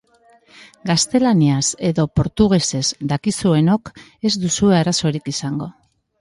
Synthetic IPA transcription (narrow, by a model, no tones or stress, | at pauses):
ɡast̪e̞laniase̞ðo̞po̞ɾt̪uɣ̞e̞se̞zd̪akisue̞no̞k | e̞zd̪usue̞aɾaso̞ɾikisaŋɡo̞